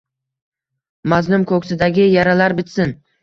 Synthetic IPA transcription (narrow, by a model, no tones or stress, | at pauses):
maznʊmkʰɵkʲsɪd̪aɡʲɪjaɾalaɾbɪt̪sɪn